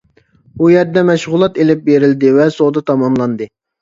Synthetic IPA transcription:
ujɛɾd̪ɛmɛʃʁʊlˠɑt̪elɪp̚beɾɪld̪ɪvɛsod̪ɑt̪ʰɑmɑmlˠɑnd̪ɨ

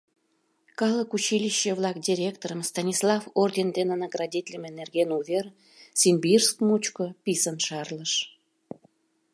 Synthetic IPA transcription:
kɑləkut͡ɕilʲiɕːə̆βlˠɑk̚dʲiɾʲek̚t̪oɾəmst̪ɑnʲislˠɑfordʲend̪enənəɡrɑdʲit̪ʲlʲəmenerɣenuver | sʲimʲbirskmut͡ɕkopʲisənʃɑrləʃ

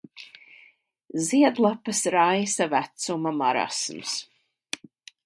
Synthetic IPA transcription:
ziɛd̪lˠapɨsɾajsavæt̪sumamaɾa̰sms

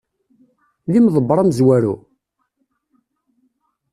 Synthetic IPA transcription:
ðimðˤəbɾˤɑmzwæɾṵ

